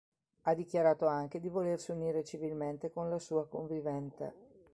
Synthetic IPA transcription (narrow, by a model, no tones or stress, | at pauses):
ad̪ik̟jaɾaːt̪oaŋk̟ed̪ivolersiuniːɾet͡ʃivilment̪ekonlasuːakoɱvivɛnt̪a̰